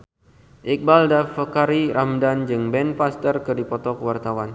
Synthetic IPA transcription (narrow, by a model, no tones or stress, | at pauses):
ʔik̚baldafəkaɾiɾʔamdand͡ʒɨŋbɛnpast̪ərkɨrdipɔt̪ɔkəwart̪awan